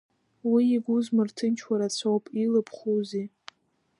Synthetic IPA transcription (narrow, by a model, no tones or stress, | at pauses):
wiːɡʷuzmɨrtʰɨnt͡ʃʰwaɾat͡sʰowpʼilɨpʰχuzi